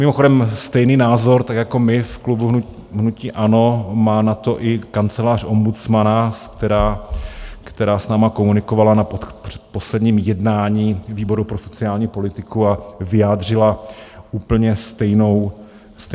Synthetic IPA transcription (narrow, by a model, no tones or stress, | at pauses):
mɪmoxo̞dɛmst̪ɛjniːnaːzo̞ɾt̪akjako̞mɪfklubuɦ | ɦnuciːʔano̞maːnat̪oʔɪkant͡sɛlaːro̞mbut͡smanaskt̪ɛɾaː | kt̪ɛɾaːsnaːmako̞munɪkovalanaporɛ̥t̪po̞slɛdɲiːmjɛdnaːɲiːviːbo̞ɾupɾoso̞t͡sɪaːlɲiːpo̞lɪt̪ɪkuavɪjaːdr̝ɪlaʔuːpl̩ɲɛst̪ɛjno̞w | s